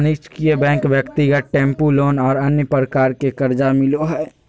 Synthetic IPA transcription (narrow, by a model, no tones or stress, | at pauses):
nɪt͡ʃkiebɛ̃ːŋkʋjəkt̪iɡəʈ̪̚ʈẽːmpuloːnɔːɾɐnjəpɾəkaːɾkekəɾd͡ʒamɪloɦɛː